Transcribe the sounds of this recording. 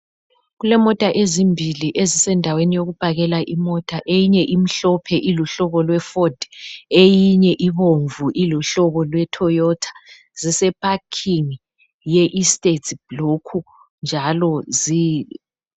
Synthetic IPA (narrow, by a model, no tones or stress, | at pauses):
ɣulɛmɔtʼaʔezimbʱiliʔezisɛndʱawenijoɣub̥ʱaɣɛlaʔimɔtʼaʔejiɲɛʔim̩ɬɔpʰɛʔiluɬɔβɔlwɛfɔd̥ejiɲɛʔiβoɱvuʔiluɬɔβɔlwɛtʰɔjɔtʰḁ | zisɛpʰʼakʰiŋ | jɛʔistʼetʰb̥lokʰu | nd͡ʒʱalɔzi